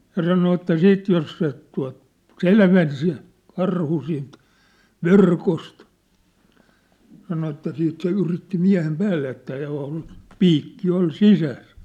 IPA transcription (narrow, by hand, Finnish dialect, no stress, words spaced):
jɑ sɑno etːæ siːt jos se tuɑ̝t selʋen se kɑrhu siːnt ʋerkost sɑno etːæ siːt se yritːi miæ̝hem pæːlːe etːæ oˑol piːkːi ol sisæs